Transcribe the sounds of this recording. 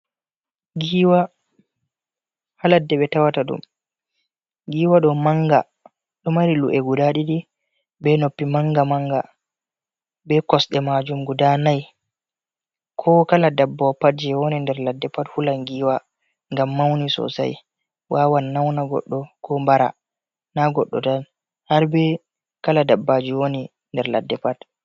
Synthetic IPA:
ɡiːwa | haladːɛɓɛtawataɗṵm | ɡiːwaɗɔmaŋɡa̰ | ɗɔmaɾiluʔɛɡudaɗiɗi | bɛnopːimaŋɡamaŋɡa̰ | bɛkɔsɗɛmad͡ʒumɡudanaj | kʰɔkaladabːɔpad͡ʒɛwonindɛɾladːɛpathulaŋɡiwa | ŋɡamːawnisɔ̰sa̰j | waːwanːawnaɡɔ̰ɗːɔkʰɔmbaɾa̰ | naɡɔ̰ɗːɔ̰dan | haɾbɛ | kaladabːad͡ʒiwoni | ndɛɾla̰dːɛpad

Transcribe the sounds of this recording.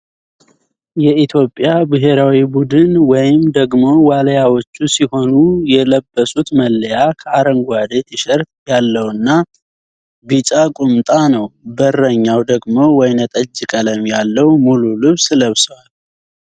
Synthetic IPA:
jɛit̪ʰjo̞pʼːjabɨɦe̞ɾawibud̪ɨnwɔjɪmd̪əɡmo̞waləjawot͡ʃːusiho̞nujɛləbːəsʼut̪məlːəjakʰəaɾəŋɡʷad̪et̪ʰiʃəɾt̪jalːəwɨnːa | bit͡ʃʼakʼumt̪ʼanəwbərːəɲːawd̪əɡmo̞wɔjnət̪ʼəd͡ʒːɨkʼələmjalːəwmululɨβsləβswal

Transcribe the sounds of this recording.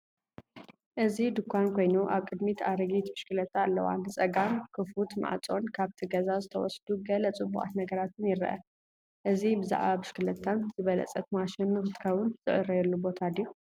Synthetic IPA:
ʔɨzid̪ɨkʰʷːankʰo̞jnuʔaβkʼɨd̪mit̪ʰaɾɨɡit̪bɨʃkɨlɐt̪ʰːalːɐwa̰nːɨt͡sʼɐɡamkʰɨflut̪ma̰ʕt͡sʼo̞nkʰaβt̪ʰiɡɐzazɨt̪ʰɐwɔsd̪uɡɐlɐt͡sʼɨbːṵʔʼa̰t̪nɐɡɐɾat̪ʰɨnjɪɾɐ̰ʔɐ̰ | ʔɨzibɨza̰ʕβabɨʃkɨlɐt̪ʰːanzɨβɐlɐ̰t͡sʼɐt̪maʃɪnmɨxɨt̪ʰɨ̥kʰɐβʊnz̥ɨ̰ʔɨɾɐjɛlːubo̞t̪ʰad̪iju

